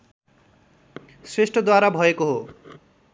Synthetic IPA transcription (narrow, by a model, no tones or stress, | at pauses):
sresʈʰʌd̪waɾabʱʌekoɦo